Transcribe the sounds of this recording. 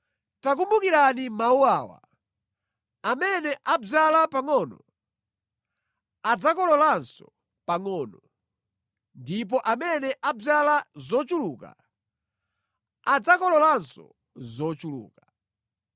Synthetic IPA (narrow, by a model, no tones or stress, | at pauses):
tak̬umbukiɾanimauawa̰ | amɛnɛʔab͡ʐalapaŋɔnɔ | ad͡zakɔlɔlansɔ̰ | paŋɔːnɔ | ndip̬ɔʔamɛnɛʔab͡ʐalazɔt͡ʃuluka̰ | ad͡zakɔlɔlansɔ̰ | zɔt͡ʃulṵːka